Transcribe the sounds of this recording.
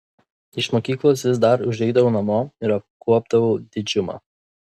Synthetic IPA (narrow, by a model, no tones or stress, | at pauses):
ɪʃmoːkʲiːklˠoːsʋʲɪsd̪ɐɾʊʒʲɛɪd̪ɐʋoːnɐmoːɪɾɐpkʰuɔb̚d̪ɐʋod̪ʲɪd͡ʒʲʊmɑ̰ː